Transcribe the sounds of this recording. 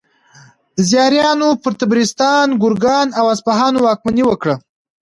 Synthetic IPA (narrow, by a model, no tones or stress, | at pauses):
d̪̥əzjɑɾjɑnopəɾt̪abɾist̪ɑnɡʊɾɡɑnawaspaɦɑnowɑk̚maniwəkɽa